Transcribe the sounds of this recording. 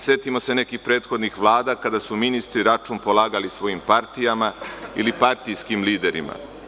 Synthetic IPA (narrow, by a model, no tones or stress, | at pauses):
sje̞t̪imo̞se̞ne̞kixpɾe̞ːt̪xo̞d̪nixʋlˠaːd̪aːkad̪asuminist̪ɾiɾat͡ʃuːmpo̞lˠaːɡalisʋo̞jimpaɾt̪ijamaḭlipaɾt̪ijskimliːd̪e̞ɾḭma̰